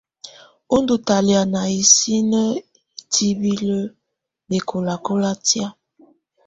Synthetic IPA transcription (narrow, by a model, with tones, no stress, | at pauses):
o˦ndo˨ta˨lja˨na˨i˨si˦nə˦ | i˨tʰi˦bi˦lə˦ | be˨kʰo˨la˨ko˦la˦tja˦